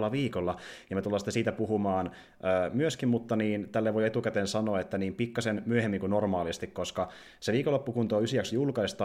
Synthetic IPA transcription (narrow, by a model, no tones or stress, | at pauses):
lːɑʋiːkolːɑjɑmet̪ulːɑːsit̪ːesiːt̪æpuɦumɑːn | øːmyøskimmut̪ːɑniːnt̪ælːeʋojet̪ukæt̪eːnsɑnoːet̪ːæniːmpikːɑsenmyøhemːiŋkunnormɑːlist̪ikkoskɑ | seʋiːkolːopːukunt̪oːysiæksjulkɑist̪ɑ